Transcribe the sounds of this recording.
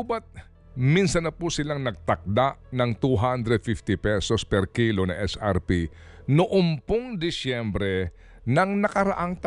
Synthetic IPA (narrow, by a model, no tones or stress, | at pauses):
ubɐt̪̚ | minsɐnɐpusɪlaŋnɐɡ̚t̪ɐk̚d̪aʔnɐŋt̪uɦand̪ɾɛd̪̚fift̪ɪpɛsospɛɾkilonɐ̰ŋʔɛsa̰ɾpi | nʊʔompoŋd̪ɪsjɛmbɾɛ | nɐŋnɐkɐɾɐʔaŋt̪